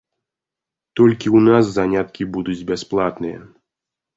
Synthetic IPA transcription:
t̪ɔlʲkʲiunas̬zanʲat̪̚kʲibud̪ud͡zʲbʲasplˠat̪nɨjɛ̰

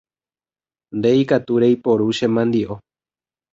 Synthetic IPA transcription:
nd̪eikat̪uɾejpo̞ɾuʃẽmãnd̪iʔo̞

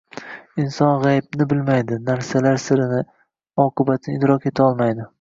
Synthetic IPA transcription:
ɪnsɒnʁajbnɪbɪlmajd̪ɪnaɾsalaɾsɪɾɪnɪ | ɒqʰɨbat̪ʰɪnɪd̪ɾɒke̞t̪ʰaɒlˠmajd̪ɪ

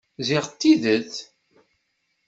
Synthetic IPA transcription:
ziʁt̪ːiðəθ

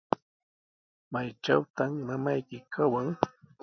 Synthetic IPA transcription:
majt͡ʃawt̪ammamajkɪkʰawaŋ

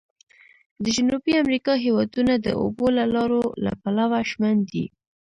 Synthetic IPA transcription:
d̪əd͡ʒʊnubiamɾikɑɦewɑd̪unad̪ə̰o̰bolalɑɾola̰palawaʃmand̪ḭ

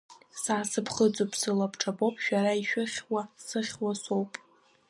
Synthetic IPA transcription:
saːsɨpʰχət͡sʼopʰʼsɨlapʰʈ͡ʂʰabopʼʃᶣaɾaiʃᶣɪχʲwasɨχʲwasowpʼ

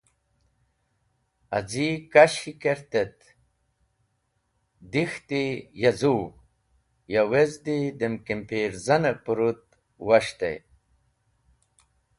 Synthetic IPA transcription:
a̰d͡zikaɕikeɾt̪et̪ | d̪ixt̪ijazu | jawezd̪id̪emkempeːɾzɐnepuɾut̪̚ | waɕt̪ḛj

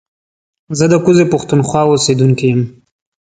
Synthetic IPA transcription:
zəd̪əkuzepʊxt̪unxwɑosed̪uŋkijəm

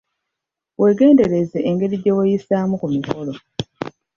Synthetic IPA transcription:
wʔe̞ːɡe̞ːnde̞ɾe̞zeʔːŋɡe̞ɾiɟe̞wejisaːmukumiko̞lo̞

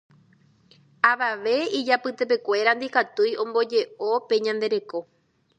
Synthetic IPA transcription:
aʋaʋe̞id͡ʒapɨt̪e̞p̬e̞kʷe̞ɾand̪ikat̪ujõ̞mbo̞d͡ʒe̞o̞pe̞ɲãnd̪e̞ɾe̞ko̞

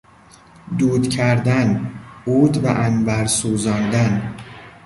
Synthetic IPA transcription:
d̪uːd̪cʰæɾd̪ænuːd̪bæ̰ʔænbæɾsuːzɒːnd̪æn

